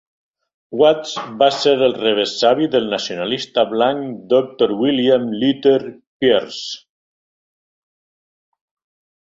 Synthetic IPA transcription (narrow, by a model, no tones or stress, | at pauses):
wat̪sβaseɾelˠreβ̞esaβiðelˠnasionalist̪aβlaŋkd̪ok̚t̪oɾwiliamlyt̪eɾ | pjeɾs